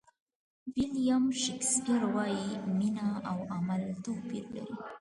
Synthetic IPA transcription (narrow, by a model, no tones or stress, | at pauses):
wilijamʃɪkskiɾwɑjiminaawamalt̪opḭɾla̰ɾi